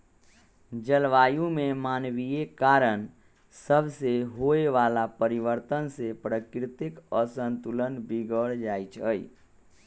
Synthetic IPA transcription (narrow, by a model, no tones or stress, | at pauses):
d͡ʒəlʋaːjũmemanwiekaɾən | səbʱseɦoeʋalapəɾiʋəɾt̪ənsepɾəkɾɪt̪ɪkəsənt̪ulənbiɡəɽd͡ʒajt͡ʃʰəi